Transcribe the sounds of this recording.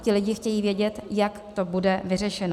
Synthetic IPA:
cɪlɪɟɪxcɛjiːvjɛɟɛt̪jak | t̪o̞budɛvɪr̝ɛʃɛno

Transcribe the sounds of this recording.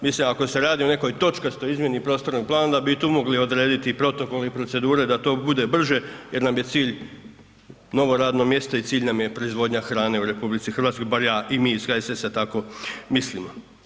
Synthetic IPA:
mislimako̞se̞ɾaːd̪io̞ne̞ko̞jt̪o̞t͡ʃkast̪oizmje̞nipɾo̞ːst̪o̞ɾnoɡ̚plˠaːnad̪abit̪uːmoɡlio̞d̪ɾeːd̪it̪ipɾo̞t̪o̞ko̞leipɾo̞tse̞d̪uːɾe̞d̪at̪o̞ːbud̪e̞br̩ʒe̞je̞ɾnamje̞t̪siːʎ | no̞ʋo̞ɾaːd̪no̞mje̞st̪ait̪siːʎʲnamje̞pɾo̞izʋo̞ːd̪ɲaxɾaːne̞uɾe̞publit̪sixr̩ɾʋaːt̪sko̞jbaɾjaːʔimiːskaesesat̪ako̞mislimo

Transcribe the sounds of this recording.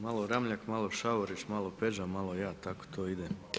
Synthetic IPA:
malˠoɾamʎakmalˠoʃaʋoɾit͡ʃmalˠopeʒamalˠojaːt̪ako̥t̪ʰoːid̪e

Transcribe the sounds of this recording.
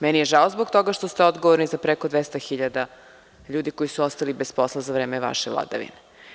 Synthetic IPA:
mɛnijeʒaozbok̚t̪o̞ɡaʃt̪ost̪eod̪ɡoʋoɾnizapɾekod̪ʋest̪axiʎad̪a | ʎuːd̪iko̞jisuost̪alibespo̞slˠazavɾeːmeʋa̰ʃevlˠa̰d̪a̰ʋḭne

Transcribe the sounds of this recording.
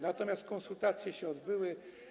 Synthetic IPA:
nat̪ɔmʲjast̪̚kɔ̃nsult̪at̪sʲjɛɕɛɔd̪bɘwɘ

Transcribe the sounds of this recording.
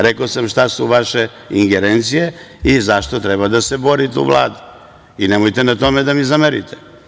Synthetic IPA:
ɾekosamʃt̪asuʋaʃe̞ | iŋɡeɾent̪sijeizaʃt̪o̞t̪ɾebad̪ase̞bo̞ɾit̪eṵʋlˠa̰ːd̪u | inemojt̪enat̪o̞med̪amizameɾḭt̪e

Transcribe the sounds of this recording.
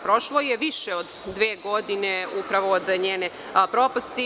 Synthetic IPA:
pɾo̞ʃlojeʋiʃeod̪ːʋeːɡo̞d̪ineupɾaʋoːd̪ɲeːne | pɾopast̪i

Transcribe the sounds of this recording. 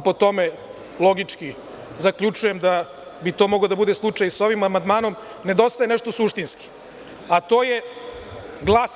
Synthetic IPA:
po̞t̪o̞me | lˠo̞ɡit͡ʃki | zakʎʲut͡ʂujemd̪a | bit̪o̞ːmo̞ɡod̪abud̪eslˠut͡ʂajso̞ʋimamand̪maːno̞m | ne̞d̪o̞st̪ajeneʃt̪o̞suʃt̪inski̥ | at̪o̞ːje | ɡlˠas

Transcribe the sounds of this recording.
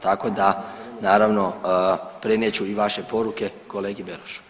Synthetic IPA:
t̪ako̞d̪anaːɾaʋno̞ | pɾenet͡ɕuiʋaʃe̞po̞ɾuke̞ko̞leːɡibeɾoʃu̥

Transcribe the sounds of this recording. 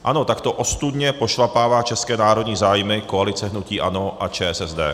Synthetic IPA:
ʔa̰no̞t̪akt̪o̞ʔost̪ud̪ɲɛpo̞ʃlapaːvaːt͡ʃɛskɛːnaːɾo̞d̪ɲiːzaːjmɪko̞alɪt͡sɛɦnuciːʔa̰no̞ʔat͡ʃɛːɛsɛzd̪ɛ̰ː

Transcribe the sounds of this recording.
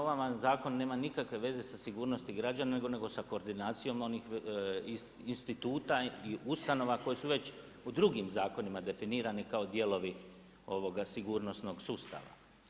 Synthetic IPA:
oʋamazaːko̞nːe̞ːmanikakʋe̞ʋe̞ze̞sasiɡuːɾno̞st̪iɡɾad͡ʒananeɡo̞ne̞ɡo̞sako̞ːɾd̪inaːt̪sijo̞mo̞nix | inst̪it̪uːt̪aiust̪ano̞ʋako̞jesuʋe̞t͡ʃ | ud̪ɾuɡimzaːko̞nimad̪e̞finiːɾanikaod̪je̞lo̞ʋi | o̞ʋo̞ɡasiɡuːɾno̞sno̞ɡsuːst̪a̰ʋa̰

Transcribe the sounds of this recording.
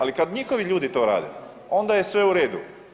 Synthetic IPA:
alikad̪ɲixo̞ʋiʎuːd̪it̪o̞ːɾa̰ːd̪ḛ | o̞nd̪aje̞sʋe̞uɾe̞ːd̪ṵ

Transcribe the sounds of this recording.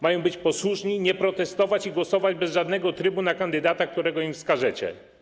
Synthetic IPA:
majɔ̃w̃bɘt͡ɕpɔswuʂɲiɲɛpɾɔt̪ɛst̪ɔvat͡ɕiɡwɔsɔvad͡ʑbɛzʐad̪nɛɡɔt̪ɾɘbunakand̪ɘd̪at̪ak̚t̪uɾɛɡɔimfskaʐɛt͡ɕɛ̰

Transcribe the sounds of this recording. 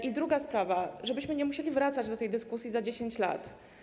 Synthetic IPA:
ʔid̪ɾuɡaspɾavaʐɛbɘɕmɘɲɛmuɕelʲivɾat̪sad͡ʑd̪ɔt̪ɛjd̪ɘskusʲjizad͡ʑeɕeɲt͡ɕla̰t̪

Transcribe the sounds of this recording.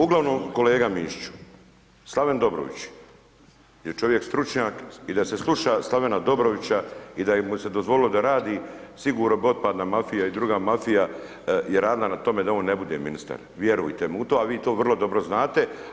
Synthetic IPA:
uɡlaʋnoːmko̞le̞ːɡamiːʃt͡ʃu̥ | slˠaʋe̞nd̪o̞bɾo̰ʋḭt͡ɕ | jet͡ʃo̞ʋje̞kst̪ɾut͡ʃɲaːkid̪ase̞slˠuʃaslˠaʋe̞nad̪o̞bɾo̞ʋit͡ɕaid̪ajemuse̞d̪ozʋolɪlo̞d̪aɾaːd̪isiɡuːɾnobo̞dt̪̚paːd̪namafijaid̪ɾuɡaːmafija | jeɾaːd̪ilˠanat̪o̞me̞d̪aoːnːe̞bud̪ḛminist̪a̰ɾʋje̞ɾujt̪emut̪oːaʋiːt̪o̞ːʋr̩lˠo̞d̪o̞bɾoznaːt̪e̞

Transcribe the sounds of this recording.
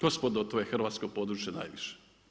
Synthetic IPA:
ospod̪ot̪ojexr̩ʋaːt̪skopoːd̪ɾuːt͡ʃjena̰jʋiʃe̥

